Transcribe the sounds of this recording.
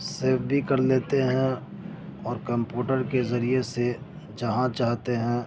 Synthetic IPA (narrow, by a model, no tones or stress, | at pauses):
seːfbʱikɐɾleːt̪eɦɛ̃ | ɔːɾkɐ̃mpjuːʈəɾkezɐɾiese | d͡ʒɐɦãt͡ʃaːɦt̪eɦɛ̃ː